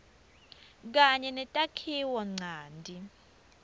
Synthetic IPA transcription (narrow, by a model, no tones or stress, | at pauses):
k̬aɲɛnɛtʼakʰiwɔŋ͡ǀʱaːndʱi